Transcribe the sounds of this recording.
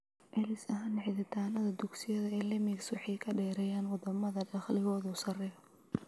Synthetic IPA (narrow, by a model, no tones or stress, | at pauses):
ʔɛlɪsɐɦaːnʕɪðɪt̪ʰaːnɐðɐd̪ʊɡsɪjɐðɐɛːlɐmikswɑħɑjkʰɐɖɛːɾɛjaːnwɑd̪ɐmɐðɐɖɑχlɪɣɔːðɔːsɐrɛ